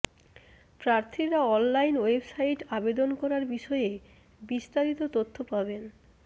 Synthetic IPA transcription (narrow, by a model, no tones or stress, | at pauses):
pɾaɾt̪ʰiɾaɔnlajnwebsaijʈabed̪onkɔɾaɾbiʃɔe | bist̪aɾit̪ot̪ot̪ʰːopaben